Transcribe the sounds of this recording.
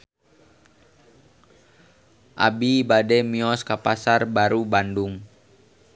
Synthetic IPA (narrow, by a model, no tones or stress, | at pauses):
ʔa̰bibadɛmiɔskapasarbaɾubandʊŋ